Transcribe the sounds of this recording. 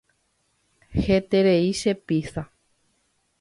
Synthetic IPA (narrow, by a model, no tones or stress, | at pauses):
het̪e̞ɾeiʃe̞pisa